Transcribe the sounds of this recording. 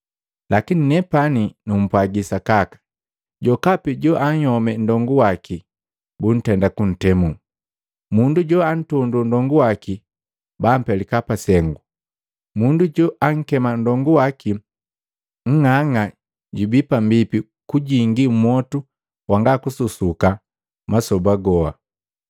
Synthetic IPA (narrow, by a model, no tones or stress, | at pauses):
lakininɛpaninum̩pwaɡisakakḁ | ɟɔkapiɟɔʔaɲhɔmɛndɔŋɡuwakʰi | bun̩tɛndakun̩tɛmu | munduɟɔan̩tɔndun̩dɔŋɡuwaki | baːm̩pɛlikapasɛŋɡu | munduɟɔʔaŋ̩kɛman̩dɔŋɡuwaki | ŋ̩ŋaŋa | ɟubipambipi | kuɟiŋɡim̩mɔtu | waŋɡakususuka | masɔbaɡɔa̰